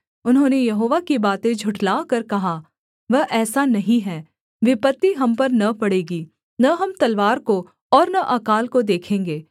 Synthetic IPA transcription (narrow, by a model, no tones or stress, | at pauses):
ʊnɦõːnejɐɦoːʋakibaːt̪ẽd͡ʒʱʊʈlaːkɐɾkɐɦa | ʋɐɦʔɛːsanɐɦĩɦɛː | ʋɪpət̪ːiɦɐmpɐɾnɐpɐɽeːɡiː | nɐɦɐmt̪ɐlʋaːɾko | ɔːɾnɐʔɐːkaːlkod̪eːkʰẽːŋɡeː